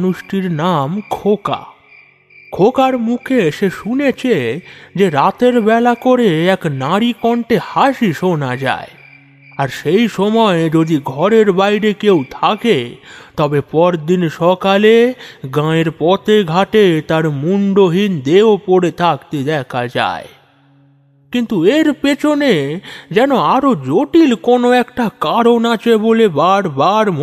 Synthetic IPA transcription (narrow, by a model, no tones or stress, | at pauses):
nuʃʈiɾnamkʰoka̰ | kʰokaɾmukʰeʃeʃunet͡ɕʰed͡ʑeɾat̪eɾbɛlakoɾeɛknaɾikɔɳʈehaʃiʃonad͡ʑa̰e | aɾʃejʃɔmɔed͡ʑod̪iɡʱɔɾeɾbajɾekewt̪ʰaket̪ɔbepɔɾd̪inʃɔkaleɡãeɾpɔt̪ʰeɡʱaʈet̪aɾmuɳɖoɦind̪eopoɾet̪ʰakt̪ed̪ɛkʰad͡ʑa̰e | kint̪ueɾpet͡ɕʰoned͡ʑɛnoaɾod͡ʑoʈilkonoɛkʈakaɾonat͡ɕʰebolebaɾbaɾm